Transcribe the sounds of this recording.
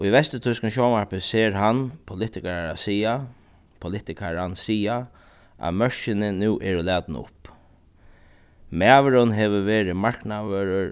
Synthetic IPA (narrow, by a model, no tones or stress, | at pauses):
iʋɛst̪ət̪ʰʊskn̩ʃɔmaɹpɪseːɾɦanpʰʊlɪt̪ɪkaɾaasiːa | pʰʊlɪt̪ɪkʰaɹansiːa | ʔa̰mœɹʃɪnɪnuːʔɛɾʊlæːt̪nʊ̰p | mæːʋəɾʊnɦɛʋəʋeːɾɪmaɹknaʋœːɾəɾ